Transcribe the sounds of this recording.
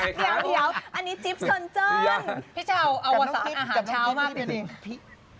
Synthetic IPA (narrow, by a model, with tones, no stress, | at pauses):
di˧˦əwdi˨˦ɐəwʔa˧nːiː˦˥t͡ɕi˦˥p̚su˨˧˩ənt͡ɕɤː˧npʰiː˦˥˩t͡ɕʰa˧wʔa˧wwa˧˥saː˦˩˦ʔːɦaː˨a˨˩t͡ɕʰaː˦˥wmaː˥˩k̚dɯ˧˨nʔeː˧˩ŋ˩pʰiː˥˩